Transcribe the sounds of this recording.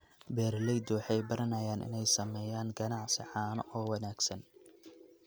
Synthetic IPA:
bɛːrlɛjd̪ɔwħɑjbɐɾɐnɐjaːnʔɪ̰nɛjsɐmɛːjaːŋɡɐnɑʕsɪħɑːnɔʔɔːwɑnaːɡsɐn

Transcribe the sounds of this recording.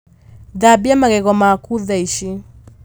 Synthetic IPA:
ðabiamaɣɛɣɔmakuðɛiʃi

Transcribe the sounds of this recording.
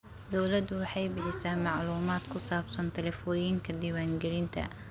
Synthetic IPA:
d̪ɔwlɐd̪ʊwɑħɑjbɪħɪsaːnmɑʕluːmaːd̪kʰʊsaːbsɐnt̪ʰɛlɛfɔːjɪŋkʰɐd̪iːwaːŋɡɛlɪnt̪ʰɐ̰

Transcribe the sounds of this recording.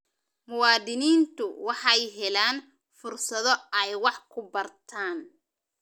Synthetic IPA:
mʊwɑːd̪ɪniːnt̪ʰʊwɑħɑjɦɛlaːn | fʊrsɐðɔɛjwɑħkʰʊbɐrt̪ʰaːn

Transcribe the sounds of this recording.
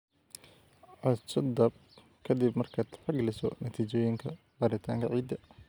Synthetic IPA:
ʕɑt͡ʃɐd̪ɐb̚ | kʰɐd̪ibmɐrkʰaːd̪ħɑɡɐlɪsɔ̰nɐt̪ʰiːt͡ʃɔːjɪŋkʰɐ | bɐɾɪt̪ʰa̰ːŋkʰɐʕiːd̪ɐ

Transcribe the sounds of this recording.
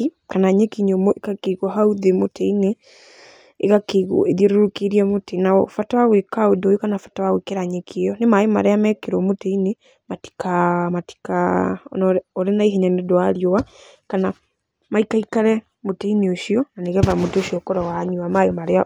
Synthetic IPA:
i | kanaɲekiɲomoʔekakeɣwɔɦauðemoteineː | kakeɣeðieɾoɾokeɾiɛmoteinaɔfatawawekaodojokanafḁtawawekeɾaɲekʰejɔnemajoma̰ɾeamɛkeɾɔmoteine | mati̥kamati̥kanɔɾenaiɦeɲandoaɾjoa | kana | maikaikaɾɛ | motɛineoʃiɔnaneɣɛðamodoɕiɔkɔɾɔwaɲuamajomaɾea

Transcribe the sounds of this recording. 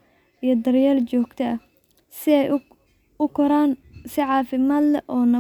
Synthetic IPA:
ijɔd̪ɐrjaːlt͡ʃɔːɡ̥t̪ʰɐɐ | sɪɛj | ʊkʰɔɾaːnsɪʕɑːfɪmaːd̪lɛʔɔːnɐ

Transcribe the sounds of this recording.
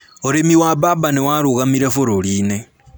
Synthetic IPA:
oɾemiwabaːbanewaːɾuɣamiɾafoɾoliːne

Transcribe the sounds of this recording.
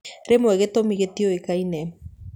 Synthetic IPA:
ɾemoɛɣetomiɣetioekainɛ

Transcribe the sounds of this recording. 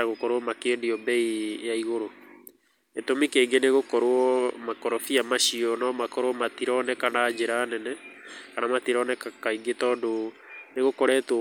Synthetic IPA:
aɣokɔɾoɔmakeːdiɔbɛijaiɣoɾo | etomikeːɡeneɣokɔɾoɔmakɔɾɔfiamaʃiɔnɔmakɔɾwɔmat̪iɾɔnɛkanad͡ʒeɾaːnɛnɛkanamat̪iɾɔnɛkakaiɡetɔːndo | neɣokoɾɛːtw

